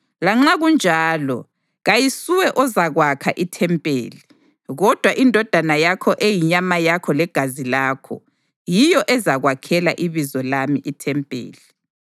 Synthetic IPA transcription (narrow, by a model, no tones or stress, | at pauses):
laŋ͡ǁaɣund͡ʒʱaːlɔ̰ | ɣajisuwɛʔɔzaɣwakʰa̰ʔitʰɛmpʼḛːli | ɣɔd̥ʱwaʔindʱɔd̥ʱanajakʰɔʔejiɲamajakʰɔlɛɡ̥ʱazilakʰɔ̰ | jijɔʔɛzaɣwakʰɛla̰ʔiβizɔlamiʔitʰɛmpʼḛːli